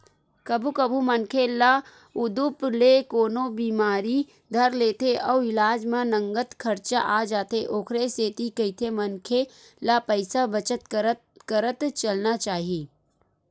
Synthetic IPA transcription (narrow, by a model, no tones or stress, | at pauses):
kɐbʱukɐbʱumənkʰela | ʊd̪uplekoːnobiːmaːɾi | d̪ʱɐɾleːt̪ʰeʔɔːɪlaːd͡ʒmẽnə̃ŋɡət̪kʰɐɾt͡ʃa̰ʔaːd͡ʒaːt̪eʔoːkʰɾeseːt̪ikɐit̪ʰemənkʰe | lapəɪsabət͡ʃət̪ | kəɾət̪t͡ʃɐlnat͡ʃaːɦiiː